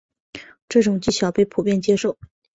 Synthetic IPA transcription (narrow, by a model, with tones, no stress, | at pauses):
ʈ͡ʂɤ˥˩ʈ͡ʂʊ˨˩ŋt͡ɕi˥˩ɕjɑ˨˩ʊpe˥˩ɪpʰu˨˩pjɛ˥˩nt͡ɕjɛ˥ʂo˥˩ʊ